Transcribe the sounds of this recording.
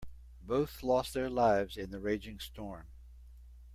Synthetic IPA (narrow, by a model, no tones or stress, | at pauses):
boʊθlɔst̪̚ðə˞laɪvzɨ̃nðɨɹeɪd͡ʒɪ̃ŋstʰɔɹm